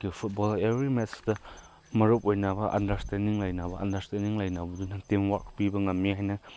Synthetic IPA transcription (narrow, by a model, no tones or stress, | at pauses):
kipʰut̚bɔlebɾimɛtsdɐ | mɐɾup̚ojnabɐʔa̰ndɐɾstɛndiŋlajnabɐʔa̰ndɐɾstendiŋlajnabɐdunatemwak̚pibɐŋɐmːihajnɐ